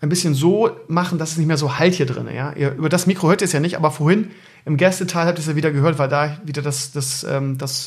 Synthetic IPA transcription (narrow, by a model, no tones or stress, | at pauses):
ʔaɪnbɪsçənzoːmaχn̩dasɛsnɪçtmeːɐzoːhalthiːɐdʁɪ̰nə̰ja̰ːʔḭːɐʔyːbɐdasmiːkʁ̥ohøːɐtiːɐsjaːnɪçtʔa̰ːbɐfoɐhɪn | ʔɪmɡɛstətʰaːlhaːp̚tisjaːviːdɐɡəɦøːɐtv̥aɪldaːɪviːdɐdasd̥asʔɛ̰ːmd̥as